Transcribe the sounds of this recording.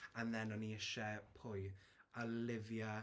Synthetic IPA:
anðɛnɔniɪʃɛpʰʊj | alɪvja

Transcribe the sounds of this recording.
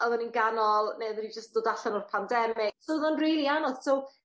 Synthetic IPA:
ɔðɔninɡanɔlˠneðənid͡ʒəstd̥oːdaɬanɔrpʰandɛmɪsoðɔnriːlˠianɔð̥sow

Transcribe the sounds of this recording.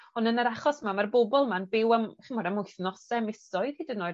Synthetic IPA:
ɔnənaɾaχɔsmamarbobɔlˠmanbɪwamχinmɔdamʊɨθnɔsɛmɪsɔɨð̥hidənoː

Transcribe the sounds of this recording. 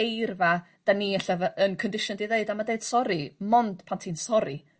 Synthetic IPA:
ejrva | d̥aniaɬavənkʰɔndɪʃʊndiðeɨdamadeɨd̥sɔɾimɔnd̥pʰantʰinsɔɾi

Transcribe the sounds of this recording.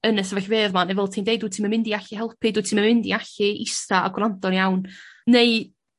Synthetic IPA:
ənɛsəvɛɬveːðmanɛvɛlˠtʰiːndejduːtʰimanmɪndiaɬihɛlˠpʰɨduːtʰimamɪndḭaɬiʔɪstaa̰ɡwlˠantɔnjawnnej

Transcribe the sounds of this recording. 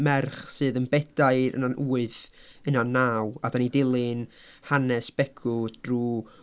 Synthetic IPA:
mɛrχsɨːðənbɛdaɨɾə̰nanʔuːɨðənanaːwadanidɪlˠɪn | hanɛsb̥ɛɡ̥ʰʊd̥ruː

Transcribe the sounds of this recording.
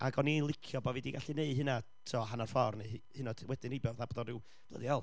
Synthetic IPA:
a̰ɡɔnilˠɪkʰjɔbɔvidiɡ̥aɬineɨɦɨna | tʰɔɦanar̥fɔrnehɨnɔd̥wɛdɨnebɛrðabɔðɔrɪw | b̥lə̰ðiɔlˠ

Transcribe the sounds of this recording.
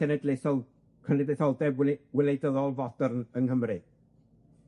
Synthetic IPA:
ɛnɛdleθɔ | kʰənɛdlejθɔlˠdɛbwɪlejdəðɔlˠvɔd̥ərnənɦəmrɨ

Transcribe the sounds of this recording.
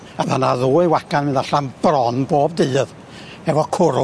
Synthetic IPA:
aðanaðuːɨwakanmɪndaɬanb̥rɔnboːb̚dɨːð | ɛvɔkʰʊɾʊ

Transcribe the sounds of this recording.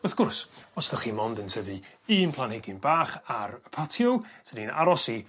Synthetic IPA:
əθɡ̥ʊrsɔsðəχiːmɔndəntʰəvɨ | iːnpʰlˠanheɡɪnbaːχaɾəpʰatʰjɔwsədina̰ɾɔsi

